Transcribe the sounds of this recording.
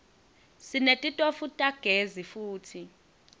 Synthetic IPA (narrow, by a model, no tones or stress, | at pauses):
sinetʼitʼofutʼaɡ̥ʱezifuːtʰi